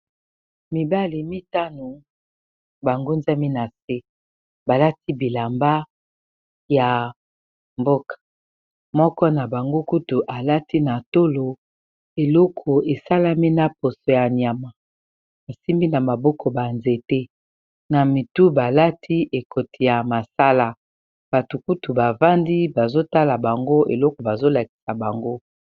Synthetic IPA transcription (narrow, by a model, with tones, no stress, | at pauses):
mi˨ba˦li˨mi˦ta˦no˨ | ba˨ŋɡo˦nza˦mi˦na˨se˦ | ba˨la˦tʰi˦bi˨la˨mba˦ | ja˨ | mbo˦kʰḁ˨ | mɔ˦kɔ˦na˨ba˨ŋɡo˦ku˦tu˨ʔa˨la˦ti˦na˨to˦lo˨ | e˨lɔ˦kʰɔ˨e˨sa˦la˦mi˦na˦po˨so˨ja˨ni˨a˨ma˨ | a˨si˦mbi˦na˨ma˨bɔ˦kʰɔ˨ba˨nze˨te˦ | na˨mi˨tu˦ba˨la˦tʰi˦ʔe˨kʰo˨tʰi˨ja˨ma˨sa˦la˦ | b̥a˨tu˨ku˦tu˨ba˨va˦ndi˦ba˨zo˦ta˦la˨ba˨ŋɡo˦ḛ˨lɔ˦ko˨ba˨zo˦la˨ki̥˨sa˨ba˨ŋɡo˦